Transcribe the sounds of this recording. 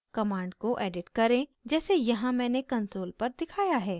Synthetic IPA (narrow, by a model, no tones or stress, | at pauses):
kɐmãːɳɖkoʔɛːɖɪʈkɐɾẽd͡ʒɛːsejɐɦãmɛ̃ːnekɐnsoːlpɐɾd̪ɪkʰaːjaɦɛː